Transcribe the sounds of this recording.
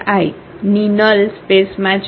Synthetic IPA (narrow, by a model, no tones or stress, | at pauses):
aj | ninəlspesmat͡ɕ